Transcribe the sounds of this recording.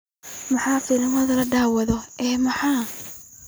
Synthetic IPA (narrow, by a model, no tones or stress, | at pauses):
mɐħɑːfilmɐðɐlɐɖaːwɐðɔɛːmɐħɑː